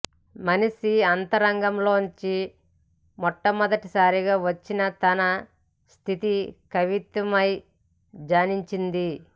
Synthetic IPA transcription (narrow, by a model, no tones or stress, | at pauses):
mɐnisiɐnt̪ɐɾɐŋɡɐmlo̞ːɲt͡ʃi | mɔʈːɐmɔd̪ɐʈisaːɾiɡaːʋɐt͡ʃːinɐt̪ɐnɐ | st̪ʰit̪ikɐʋit̪ʋɐmɐj | d͡ʒaːniɲt͡ʃind̪i